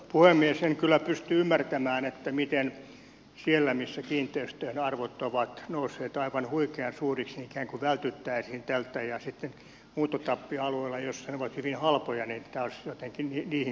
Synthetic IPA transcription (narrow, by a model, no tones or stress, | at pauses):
puhemːiesheŋkylːˑæpyst̪yymːært̪æmæːnet̪ːæmit̪en | sielːæmisːækiːnt̪ːˑeyst̪øhnɑrʋot̪ːoʋɑt̪nousːeːt̪ɑiʋɑnhuikeɑnsuːriksiikæːŋkuʋælt̪yt̪ːæisiːnt̪ælt̪ːæjɑsit̪ːen | muːt̪ot̪ɑpːiɑlueilːɑjossɑneoʋɑt̪hyʋinhɑlpojɑnint̪æosjot̪eŋkinniniːhi